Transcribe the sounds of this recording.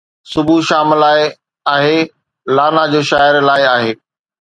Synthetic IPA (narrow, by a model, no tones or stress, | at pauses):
sʊbʱuʃaːmlaːɪ | aːɦeː | laːnad͡ʑoːʃaːɪəɾlaːɪaːɦeː